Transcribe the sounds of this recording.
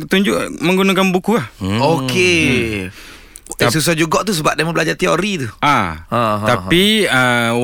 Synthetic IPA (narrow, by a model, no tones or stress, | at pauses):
t̪uɲd͡ʒʊʔmə̃ŋɡunãkanbukuahoke | s̬us̬ad͡ʒuɡɔʔt̪us̬əbap̚dajmə̃bəlad͡ʒat̪iɔʔɾit̪ua | t̪aiə